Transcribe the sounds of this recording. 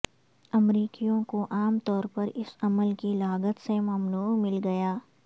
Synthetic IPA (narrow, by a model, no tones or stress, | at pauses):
ɐmɾiːkijõkoʔaːmt̪ɔːɾpɐɾɪsɐməlkilaːɡət̪semɐmnuːmɪlɡɐjaː